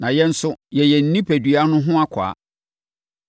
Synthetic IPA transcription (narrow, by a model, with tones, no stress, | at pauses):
nã˨jɛ˦n̩˦sʊ˦jɛ˨jɛ˨n̩˨˦nĩ˦pʰæ˨dɥa˦nʊ̃˦ɦʊ̃˦a˦kʰa̰ː˨˦